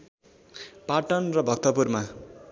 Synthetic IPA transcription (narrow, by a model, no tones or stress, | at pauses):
paʈʌnrʌbʱʌk̚t̪ʌpurma